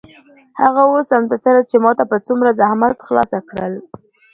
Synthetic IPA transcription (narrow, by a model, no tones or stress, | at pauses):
haɣaosamt̪asaɾat͡ʃemɑt̪apət͡sumɾazahmat̪xlɑ̰sakɽəl